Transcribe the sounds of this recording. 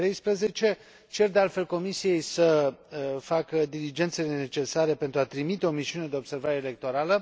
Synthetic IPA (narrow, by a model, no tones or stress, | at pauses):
ɾejspɾəze̞t͡ʃe̞ | t͡ʃe̞rd̪e̞alt̪fe̞lko̞misije̞jsə | fakəd̪ilid͡ʒe̞nt̪selene̞t͡ʃe̞saɾe̞pe̞nt̪ɾuat̪ɾimit̪e̞o̞miʃiune̞d̪e̞o̞bse̞rvaɾe̞ːle̞k̚t̪o̞ɾalə